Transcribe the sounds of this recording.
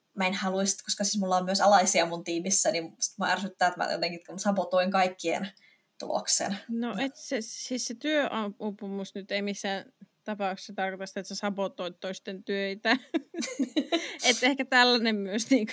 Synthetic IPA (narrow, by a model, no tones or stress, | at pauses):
mæinhɑluist̪koskɑsismulːɑommyøsɑlɑisiɑmunt̪iːmisːænimsi̥t̪muɑ̰ærsyt̪ːæːet̪mæ̰jo̰t̪eŋkiet̪kunsɑpot̪oiŋkɑikːiḛn | t̪ṵlo̰ksḛnnoʔet̪sesiːsset̪yøʔɑupumusnyt̪eimisːæːˑnt̪ɑpɑˑukse̥sɑt̪ɑrkot̪ɑsit̪et̪sesɑpot̪ːˑoit̪toist̪ent̪øit̪æ | et̪ːehkæt̪ælːænemmyøsniːŋk